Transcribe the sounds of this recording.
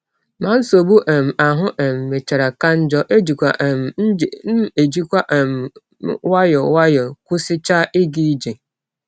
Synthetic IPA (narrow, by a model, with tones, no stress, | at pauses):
mã˨˦n̩˦so˨bu˦ʔɛ˨m̩˨a˨ɦʊ̃˦ʔɛ˨mː˨e˨t͡ʃa˨ɾa˨ka˦n̩˦d͡ʒɔ˦ʔe˦d͡ʒi˨kʷa̰˨ʔm̩˨n̩˦˨n̩˦e˨d͡ʒi˦kʷa˦ʔm˦ | wa˦jɔ˨wa˦jɔ˨kʊ˦sɪ˦t͡ʃa˦ʔɪ˦ɡi˦d͡ʒe˨